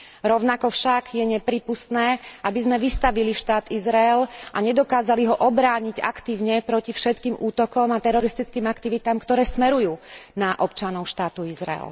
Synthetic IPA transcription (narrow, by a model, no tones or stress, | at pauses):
ɾɔʊnakɔfʃaɡjɛɲɛpɾiːpust̪nɛːʔabizmɛʋist̪aʋiliʃt̪aːt̪izɾaɛlʔaɲɛd̪ɔkaːzaliɦɔʔɔbɾaːɲiɟa̰kt̪iːʊɲɛpɾɔcifʃɛt̪kiːmʔuːt̪ɔkɔmat̪ɛɾɔɾist̪it͡skiːmakt̪iʋit̪aːmkt̪ɔɾɛːsmɛɾujuːnaʔɔp̚t͡ʃanɔʊʃt̪aːt̪uizɾa̰ɛ̰l